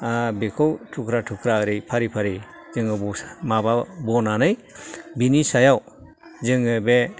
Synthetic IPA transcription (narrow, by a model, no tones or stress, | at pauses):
abekʰɯwtʰukʰɾatʰukʰɾaɾɯjpʰaɾipʰaɾi | zɯŋɯbumababɔnanɯj | binisajaw | zɯŋɯbe